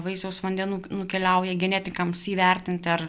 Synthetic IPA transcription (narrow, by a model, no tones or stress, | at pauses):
ʋɐɪsoʊsʋɐnʲd̪ʲɛnuːnʊkʲɛlʲɛʊjɛɡʲɛnʲɛt̪ʲɪkɐmsiːʋʲɛrʲt̪ʲɪnʲt̪ʲɪɐr